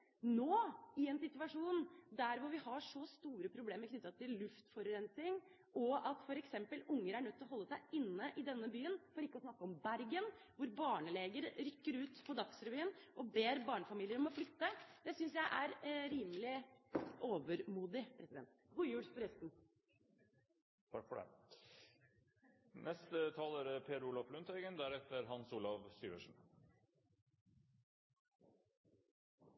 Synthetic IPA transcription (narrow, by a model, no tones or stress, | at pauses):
noːɪɛnsɪt̪ʉʋɑʂuːnd̪æɾʋʊɾʋɪhɑʂɔst̪uːɾəpʰɾʊbleːməɾkʰnʏt̪ːɑt̪ʰɪllʉft̪fɔɾɛnsɪŋ | ɔɑt̪fɔɾɛksɛmpəlʊŋːəɾæɳœt̪ʰːɪlɔɦɔlːəsæɪɪnːəʔɪd̪ɛnːəbyːənfɔɾɪkːəɔsnɑkːəɔmbæɾɡənʋʊɾbɑːɳəleːɡəɾɾʏkːəɾʉːt̪pʰɔd̪ɑksɾɛʋyːnʔɔbeːɾbɑːɳəfɑmiːlɪəɾɔmɔflʏt̪ːəd̪̥ɛsʏnsjæɪʔæɾɾiːmlɪʔoːʋəɾmuːd̪ɪpʰɾɛsɪd̪ɛ̰nt̪ | ɡʊjʉːɽsfɔɾɛst̪n | fɑfɔɖɛ̰ | nɛst̪ət̪ʰɑːləɾpʰeːɾuːlɑflʉnt̪ʰɛɡənd̪æɾɛt̪əɾɦɑnsuːlɑʋsyːʋo̰ːʂɳ̩